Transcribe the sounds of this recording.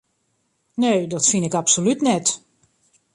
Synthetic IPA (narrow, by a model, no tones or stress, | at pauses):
neːdɔtfinɪkapsolytnɛt